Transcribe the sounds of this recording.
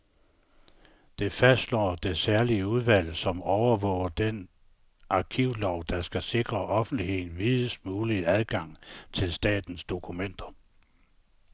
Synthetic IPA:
d̥e̝fæsd̥lɒ̰ːd̥e̝sæɐliəuð̞ˠʋæl̰sɒ̽mɒʊɐʋɔ̰̽ʊ̰ɐd̥en | ʔɑ̈kʰiʊ̰lɒʊd̥ɑ̈sɡ̥æse̝ɡ̥ʁɐʔɒ̽fn̩d̥ihe̝ð̰ˠn̩ʋiðˠəsmuːliæðˠɡ̥ɑ̈ŋ̰t͡sʰe̝lsd̥ɛ̰ːd̥n̩sd̥o̝kʰumen̰d̥ɐ

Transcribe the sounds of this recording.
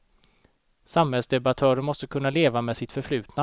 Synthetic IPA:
samhɛlsd̪ɛbat̪ʰœːɾəmɔst̪əkʰɵnːaleːvamɛːd̪sɪt̪fœɾflʉ̟ːt̪na

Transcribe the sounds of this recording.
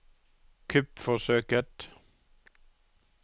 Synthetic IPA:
kʰʉpfɔsøːkət̪

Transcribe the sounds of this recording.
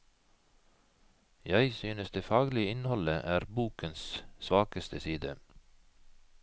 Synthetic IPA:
jæɪsyːnəsd̪eːfɑːɡlɪəɪnhɔləʔæːɾbuːkənssʋɑːkəst̪ʰəsiːd̪ə

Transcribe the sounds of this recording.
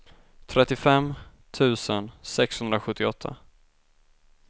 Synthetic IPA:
t̪ʰɾɛt̪ːɪfɛm | t̪ʰʉ̟ːsənsɛkshɵnd̪ɾaɧɵt̪ʰːɪɔt̪ʰːa̰

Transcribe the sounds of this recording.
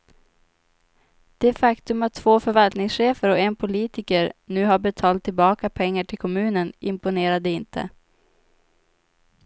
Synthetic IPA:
d̪̥ɛæfakt̪ɵmat̪ʰːv̥oːfœɾvalt̪nɪŋsɧeːfəɾɔɛnpʰʊliːt̪ɪkəɾnʉ̟ːɦaɾbɛt̪ʰɑːlt̪ʰːɪlbɑːkapʰɛŋːaʈʰɪlkʰɔmʉ̟ːnənɪmpʊneːɾad̪əɪnt̪ʰə̰

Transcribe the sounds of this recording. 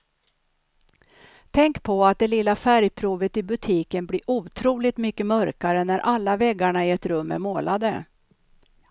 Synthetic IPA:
t̪ʰɛŋkpʰɔat̪̚d̪ɛlɪlːafæɾjpʰɾuːvət̪ɪbɵt̪ʰiːkənblɪɾʔuːt̪ʰɾuːlɪt̪mʏkːəmœɾkaɾənæɾʔalːavɛɡːaɳaɪɛt̪ɾɵmːæ̰ɾmoːlad̪ə

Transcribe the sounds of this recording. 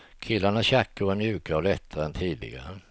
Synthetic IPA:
kʰɪlːaɳaɕakːəvaɾmjʉ̟ːkaɔlɛt̪ʰːaɾɛnt̪ʰiːd̪lɪ̰ɡa̰ɾə

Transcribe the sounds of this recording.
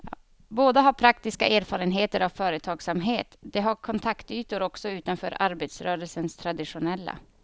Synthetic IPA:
j̰ː | boːd̪əɦaɾpʰɾakt̪ɪskaeːɾfɑːɾənɦeːt̪əɾavfœːɾət̪ʰɑːɡsamɦeːt̪d̪ɛɦaɾkʰɔnt̪ʰakt̪yːt̪ʊɾɔksɔʉːt̪anfœ̰ːɾʔaɾbet̪sɾœːɾəlsənst̪ʰɾad̪ɪʂʊnɛlːa̰

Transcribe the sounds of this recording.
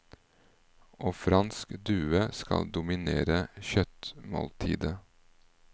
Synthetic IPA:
ʔoːfɾɑnskd̪ʉːəskɑld̪ʊmɪnḛːɾəçœt̪mo̰ːlt̪ʰḭːd̪ə

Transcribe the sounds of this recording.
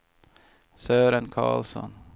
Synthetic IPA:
søːɾənkʰɑ̰ːlsɔ̰n

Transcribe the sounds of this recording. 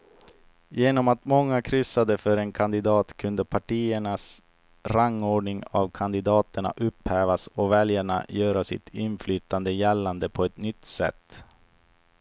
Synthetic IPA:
jeːnɔmat̪mɔŋːakʰɾʏsad̪əfœɾɛnkʰand̪ɪd̪ɑːt̪kʰɵnd̪əpʰaʈiːəɳas | ɾaŋːoːɖɳɪŋa̰vkʰand̪ɪd̪ɑːt̪əɳa̰ʔɵphæːvasɔvɛljaɳa̰jœːɾasɪ̰t̪ʰɪnflyːt̪and̪əjɛlːand̪əpʰɔɛt̪nʏt̪ːsɛ̰t̪ː

